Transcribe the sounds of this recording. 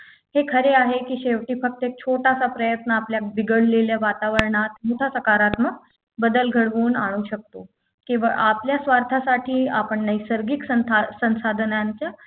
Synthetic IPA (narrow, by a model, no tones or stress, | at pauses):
hekʰəɾeaɦekiːɕeʋʈiːfək̚t̪əek̚t͡ɕʰoʈasapɾəjət̪nəapljabiɡəɽleljaʋat̪aʋəɾɳat̪mot̪ʰasəkaɾat̪məɡ | bəd̪əlɡʱəɽʋuːnaɽ̃uːɕək̚t̪o | kĩʋa̰ʔapljasʋaɾt̪ʰasaʈʰiːapəɳnəjsəɾɡiksəasə̃ñsad̪ʱnjaɲt͡ɕja